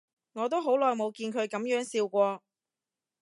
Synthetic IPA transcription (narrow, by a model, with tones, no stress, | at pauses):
ŋɔː˨˧t̪o˥wɦo˨˥wlɔː˨jmo˨˧wkiː˧nkʰɵ˨˧ɥkɐ˨˥mjœː˨˥ŋsiː˧wkʷɔː˧